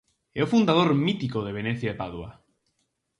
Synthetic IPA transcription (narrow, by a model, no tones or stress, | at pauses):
ɛofund̪að̞oɾmit̪ikoðeβ̞enɛθjaðepaðwa̰